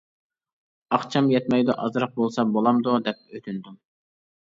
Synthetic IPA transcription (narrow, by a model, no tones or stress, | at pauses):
ɑχt͡ʃʰɑmjɛt̪mɛjd̪ʊʔɑzɾɑq̚bolˠsɑbolˠɑmd̪ud̪ɛp̚øt̪ʰynd̪um